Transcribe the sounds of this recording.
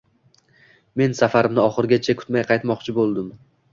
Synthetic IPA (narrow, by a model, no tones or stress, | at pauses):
me̞nsafaɾɪmnɪɒχɨɾɡʲat͡ʃʰakʰʲʊ̥t̪majqʰɑjt̪mɒqt͡ʃʰɪbolˠd̪ɪm